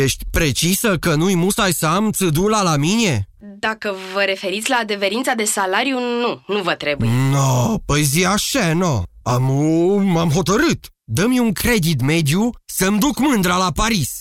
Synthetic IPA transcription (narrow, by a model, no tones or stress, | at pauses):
je̞ʃt̪ʲpɾe̞t͡ʃisəkənujmusajsəamt̪sɨd̪ulalamine̞ | d̪akəvəɾe̞fe̞ɾit̪sʲlaːd̪e̞ve̞ɾint̪sad̪e̞salaɾjununuvət̪ɾe̞bujenopəjziaʃenoammamɦo̞t̪əɾɨt̪ | d̪əmjuŋkɾe̞d̪it̪me̞d̪jusəmd̪ukmɨnd̪ɾəlapaɾis